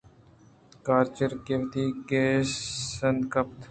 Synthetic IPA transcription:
kaːɾt͡ʃəɾkeʋt̪iːkeːsənkɐp̚t̪

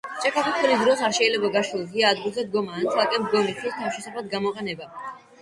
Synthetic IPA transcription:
t͡ʃʼɛkʰapʰit̪ʰɛlisd̪ɾɔsaɾʃɛilɛbaɡaʃilˠziaːd̪̚ɡilˠzɛd̪ɡɔmaːnt̪sʰalˠkʼɛmd̪ɡɔmit̪ʰwist̪ʰafʃɛsapad̪̚ɡamɔqʼɛnɛba

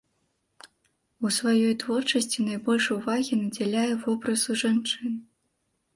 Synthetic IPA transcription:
usvajɔjt̪vɔrt͡ʂɐsʲt͡sʲinɐjbɔlʲʂuvaɣʲinɐd͡zʲalʲajɛvɔbɾɐsuʐant͡ʂɨn

